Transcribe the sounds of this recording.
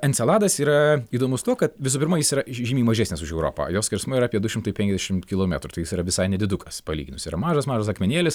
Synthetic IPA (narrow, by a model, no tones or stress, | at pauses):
ɐnʲtsʲɛlˠɑːd̪ɐsiːɾɐiːd̪oːmʊst̪uɔkɐt̪ʋʲɪs̬ʊːpʲɪɾmɐjɪsiːɾɐʒʲiːmʲiːmɐʒʲæːsʲnʲɪsʊʃɛʊɾo̰ːpɐ̰joːsʲkʲɛɾsmʊɪiɾːpʲiɛd̪ʊʃʲɪmt̪ɐɪpʲɛŋʲkʲɛzʲdʲɛʃʲɪmkʲɪlˠoːmʲæ̰t̪ɾʊt̪ɐɪjɪsiːɾɐʋʲɪsɐɪnʲɛd̪ʲɪd̪ʊkɐspɐlʲḭːɡʲɪnʊsʲiːɾɐmɑːʒɐsmɑːʒɐsɐkmʲɛnʲeːlʲɪs